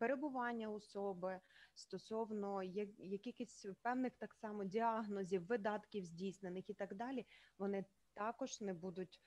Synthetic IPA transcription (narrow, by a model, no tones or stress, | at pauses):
peɾebʊʋɑnʲːɐɔsɔbɪst̪ɔsɔwnɔjɐjɐkʲixɪsʲpɛwnɪxt̪ɑksɑmɔdʲiɑɦnɔzʲiwːɪd̪ɑt̪kʲiwzʲdʲijsnenɪxit̪ɑɡd̪ɑlʲiʋɔnɪ | t̪ɑkɔʒnɛbud̪ʊtʲ